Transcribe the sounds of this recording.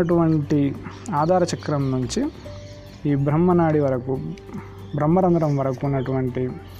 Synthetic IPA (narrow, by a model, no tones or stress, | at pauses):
ɐʈ̬uʋɐɳʈi | aːd̪ʱaːɾɐt͡ʃɐkɾɐmnuɲt͡ʃi | iːbɾɐmːɐnaːɽiʋɐɾɐku | bɾɐmːɐɾɐnd̪ɾɐmʋɐɾɐkuunːɐʈuʋɐɳʈi